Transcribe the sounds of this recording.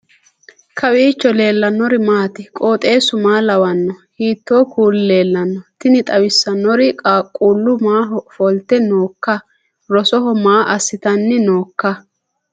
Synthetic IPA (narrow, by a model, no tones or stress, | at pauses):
kʰɐwiːt͡ʃːɔle̞ːlːɐnːɔɾɪmaːt̪ɪkʼo̞ːt̪ʼe̞ːsʊmaːlɐwɐnːɔhiːt̪ːoːkuːlle̞ːlːɐnːɔt̪ɪnɪt̪ʼɐwɪsːɐnːɔɾɪkʼaːkʼuːlːʊmaːɦɔfɔlt̪ːɛnoːkːɐ | ɾɔsɔɦɔmaːʔɐsːɪt̪ɐnːɪno̞ːkːɐ